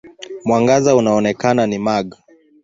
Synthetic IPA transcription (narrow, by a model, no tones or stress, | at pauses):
mwaŋɡazaunaɔnɛkananimaɠa